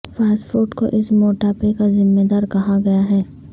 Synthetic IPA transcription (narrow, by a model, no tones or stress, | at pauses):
faːsfuːɾʈko̰ʔɪsmoːʈapekazɪmːeːd̪aːɾkɐɦaɡɐjaɦɛː